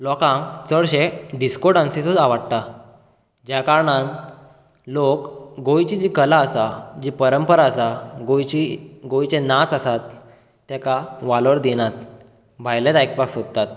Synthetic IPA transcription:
lɔkãŋkt͡səɭɕeɖiskoɾɖãnsisod͡zaʋaɽt̪a | d͡ʑjakaɾɳãn | lokɡojt͡ɕid͡ʑikəlaəsad͡ʑipəɾəmpəɾaəsaɡojt͡ɕiɡojt͡ɕẽnat͡sasat̪ː | ekaʋaləɾd̪inat̪̚ | bʱajlẽt̪ajk̚paksod̪̚t̪at̪̚

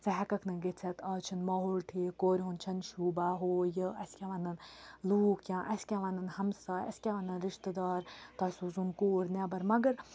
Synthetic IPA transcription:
t͡sɐɦɛkɐkʰnɐɡet͡sʰɛt̪ɐːt͡ʃʰinmaːɦoːlʈʰiːkoːɾʲɦunt͡ʃʰɐnʃuːbaːɦoːjəɐsʲkʲaʋɐnɐnluːkʰjãːʔɐsʲkʲaʋɐnɐnhɐmsaːɐ̰sʲkʲaʋɐnɐnɾiʃt̪əd̪aːɾt̪ɐsuːzunkoːɾʲnʲɛbɐɾmɐɡəɾ

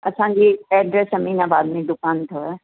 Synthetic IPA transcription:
ɐsãːd͡ʑeɛːɖɾesɐmiːnabaːd̪mẽd̪ʊkaːnt̪ʰoɛ

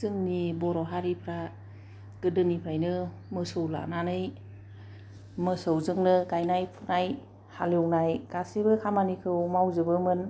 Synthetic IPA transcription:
zɯŋnibɔɾɔɦaɾipʰɾa | ɡ̥ɯdɯnipʰɾajnɯ | mɯsowla̰nanɯj | mɯsɯwzɯŋnɯkajnajpʰunaj | haliwnajkasibɯkʰamanikʰɯwmawzɯbɯmɯn

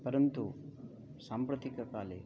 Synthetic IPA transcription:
pɐɾɐnt̪u | saːmpɾɐt̪ikɐkaːle

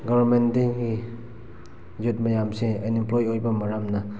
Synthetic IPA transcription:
ɡɔbɾmendiŋɡi | zut̚mɐjamseɐjnimplojojbɐmɐɾamnɐ

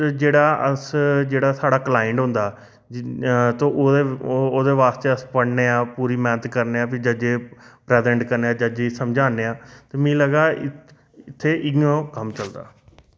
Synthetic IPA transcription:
d͡ʒeːɽaːəsd͡ʒeːɽaːsaːɽaːklaːɪɳɖɦʊ̃nd̪aː | t̪õːʔoeːoːd̪eːʋaːst̪eːəspəɽneːaːpuːɾiːmɛːnət̪kəɾneːaːpʰɪd͡ʒəd͡ʒeːpɾɛːzɛ̃ːɳʈkəɾneːaːd͡ʒəd͡ʒeːsəmd͡ʒaːnːeːaːt̪eːmĩːləɡaːɪ | ɪt̪ʰːeːʔɪõːkəmt͡ʃəld̪a̰ː

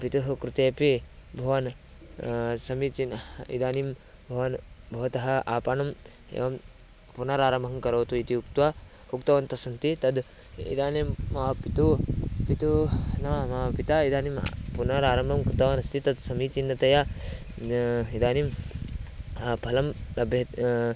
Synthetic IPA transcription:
pit̪uɦkɾut̪eːpibʱɐʋɐn | sɐmit͡ʃinḭd̪aːnim | bʱɐʋɐnbʱɐʋɐt̪ɐɦɐʔaːpaːnɐm | ḛːʋɐm | punɐɾaːɾɐmbʱɐmkɐɾoːt̪uit̪iuk̚t̪ʋɐ | ukt̪ɐʋɐnt̪ɐsɐnt̪it̪ɐd̪ | ḭd̪aːnimːɐpit̪upit̪unɐʋɐmɐʋɐpit̪aid̪aːnimpunɐɾaːɾɐmbʱɐmkut̪ɐʋanɐst̪it̪ɐd̪sɐmit͡ʃinːɐt̪ɐja | id̪aːnim | pʰɐlɐmlɐbʱjɐ

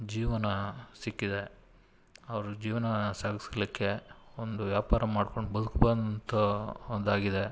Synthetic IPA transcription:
d͡ʒiːʋɐnɐsikːid̪e̞ | ɐʋɐɾud͡ʒiːʋɐnɐsaːɡislikːe̞ond̪uʋjaːpaːɾɐmaːɖko̞ɳɖbɐd̪ukbɐnt̪ɐnd̪aːɡid̪e̞

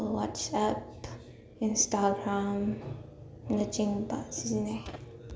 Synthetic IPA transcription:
wɑt͡ʃʌp | ɪ̃nstəɡɹæ̃m | nʌt͡ʃɪ̃ŋbʌ̰tsɪzne

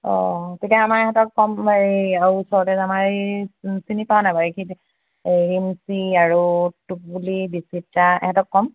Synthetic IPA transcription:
ɔ̰tʰikɛamaɹɛɦɛtɔkːɔmbaɹiauusɔɹɔtɛzamaɹisinipaanabaɹikʰit | ɹimsiaɹutuk̚bulibisitaɛ̰hɛtɔkːɔm

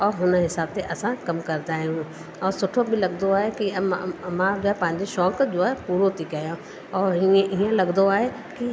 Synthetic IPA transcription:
ɔːɾɦʊnɦɪsaːb̚t̪eʔɐsãkɐmkɐɾd̪aːɦĩɦũ | ɔːɾsʊʈʰobɪlɐɡd̪oaːɦekimãd͡ʑoːaːɦepɐ̃ɦɪ̃ɲd͡ʑeʃɔːkd͡ʑoaːɦepuːɾot̪ʰikajõ | ɔːɾiẽʔiːə̃lɐɡnd̪oaːɦe | ki

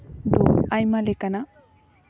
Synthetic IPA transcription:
d̪ɔajmalekana

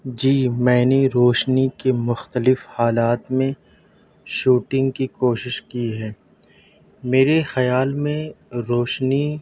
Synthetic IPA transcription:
d͡ʒiːmɛ̃ːneɾoːʃnikemʊxt̪əlɪfhaːlaːt̪mẽ | ʃuːʈɪ̃ŋɡkikoːʃɪʃkiɦɛː | meːɾexɐjaːlmẽɾoːʃni

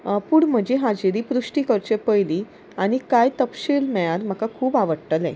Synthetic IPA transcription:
puɽm̤əd͡ʑiɦad͡ʑiɾiːpɾuʂʈikəɾt͡ɕepəjli | aɽ̃ikajt̪əpɕiːlmɛɭaɾm̤əkakʰuːpaʋəɽʈəlḛ̃

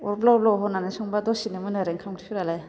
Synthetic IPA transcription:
ɔɾblaɔblawɦɔnanajsɔŋbadɔsinemɯnaɾeŋkʰamtʰipʰiɾalaj

